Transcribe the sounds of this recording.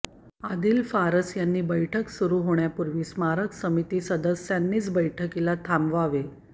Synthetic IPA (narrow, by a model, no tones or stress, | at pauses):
ad̪iːlfaɾəsjanːiːbəjʈʰəksuɾuɦoɳ̃japuɾʋiːsmaɾəksəmit̪iːsəd̪əsːjanːiːt͡sbəjʈʰəkilat̪ʰamʋaʋe